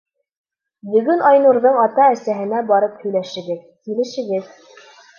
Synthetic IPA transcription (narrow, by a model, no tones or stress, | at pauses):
bɵ̆ɡɵnʔɑjnuɾðɤɴɑt̪ɑæsæɦɘ̆næbɑɾɤphɵ̆jlæʃɘ̆ɡɘð | kilɘ̆ʃɘ̆ɡɘð